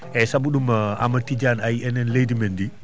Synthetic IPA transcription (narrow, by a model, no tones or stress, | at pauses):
ɛsabuɗumaa̰matːid͡ʒaːnajɛnɛnlejdimendi